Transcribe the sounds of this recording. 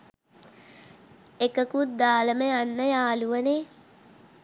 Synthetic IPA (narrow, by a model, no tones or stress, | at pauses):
ekəkut̪̚d̪aːləməjanːəjaːluʋəne